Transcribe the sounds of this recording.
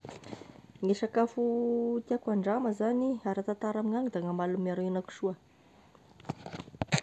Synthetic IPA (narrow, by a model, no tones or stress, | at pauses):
ŋeʃakafut̪iakaɳɖ͡ʐaməzaniaɾat̪at̪aɾamiŋaɲud̪aŋamalumiaɾeinaku̥ʃuə